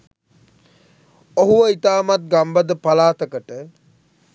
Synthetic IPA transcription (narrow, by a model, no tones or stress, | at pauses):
oɦuʋəit̪aːmat̪̚ɡambəd̪əpalaːt̪əkəʈə